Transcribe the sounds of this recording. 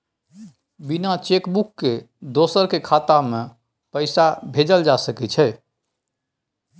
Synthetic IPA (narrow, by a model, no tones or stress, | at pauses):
binat͡ʃekbukːe | d̪osəɾkekʰat̪ame | pəɪsabʱed͡ʒəld͡ʒasəkɛt͡ʃʰɛ